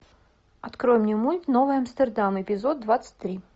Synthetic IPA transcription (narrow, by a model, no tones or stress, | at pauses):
ɐt̪kɾojɪmnʲɪmutʲnovɨjɐmst̪ərd̪amɪpʲɪzod̪̚d̪ːvat̪sə̥t̚ʲt̪ːɾʲi